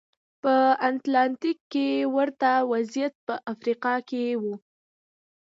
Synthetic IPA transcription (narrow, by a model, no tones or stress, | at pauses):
pəant̪lɑnt̪ikːewəɾt̪awazjat̪̚pəʔafɾiqɑkewu